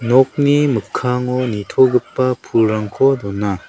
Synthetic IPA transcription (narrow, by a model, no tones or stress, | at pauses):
nɔk̚nimɯkʰːaŋɔnitʰɔɡɯpːapʰulɾaŋkʰɔdɔnːa